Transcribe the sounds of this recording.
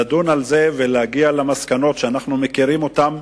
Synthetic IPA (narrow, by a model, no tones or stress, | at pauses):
adunalze̞velehaɡialamaskano̞tʃeanaχnumekiʁimo̞tam